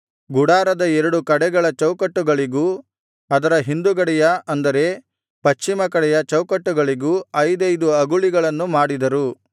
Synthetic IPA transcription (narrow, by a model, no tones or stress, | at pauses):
ɡuɽaːɾɐd̪ɐɛɾɐɽukɐɽɛɡɐɭɐt͡ʃɐwkɐʈːuɡɐɭiɡuː | ɐd̪ɐɾɐɦind̪uɡɐɽɛjɐɐnd̪ɐɾe̞ | pɐʃt͡ʃːimɐkɐɽɛjɐt͡ʃɐwkɐʈːuɡɐɭiɡuːɐjd̪ɐjd̪uɐɡuɭiɡɐɭɐnːumaːɽid̪ɐɾu